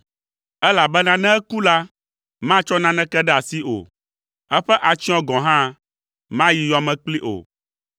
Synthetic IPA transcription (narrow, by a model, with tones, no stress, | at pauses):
ɛ˦la˨bɛ˦nã˦nɛ̃˦ɛ˦ku˦la˦ | mã˦t͡ʃɔ˦nã˦nɛ̃˦kɛ˦ɖɛ˦a˨si˦o̰˨ | ɛ˦ɸɛ˦ʔa˨t͡ʃi˦ɔ̃˦ɡɔ̃˨ɦã˦ | mã˦ji˨jɔ˨mɛ̃˨k͡pli˦ʔo̰˨